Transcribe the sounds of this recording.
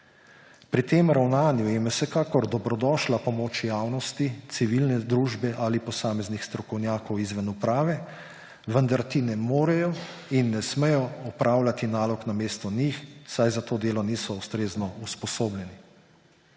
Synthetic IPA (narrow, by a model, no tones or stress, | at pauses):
pɾit̪emɾawnaːnjujɛmɛwsɛkaːkɔɾd̪ɔbɾɔd̪ɔːʃlapɔmoːt͡ʃjaːwnɔst̪it̪siʋilnɛd̪ɾuːʒbɛʔalipɔsaːmɛznixst̪ɾɔkɔwnjaːkɔwizʋɛnupɾaːʋɛ | ʋənd̪aɾt̪inɛmoːɾɛjɔ | inːɛsmɛjɔɔpɾaːwlat̪inaːlɔknameːst̪ɔnixsajzat̪oːd̪eːlɔniːsɔust̪ɾeːznɔuspɔsoːblɛni